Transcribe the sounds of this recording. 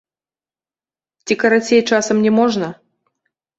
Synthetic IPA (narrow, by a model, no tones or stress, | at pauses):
t͡sʲikɐɾat͡sʲejt͡ʂasɐmnʲɛmɔʐnɐ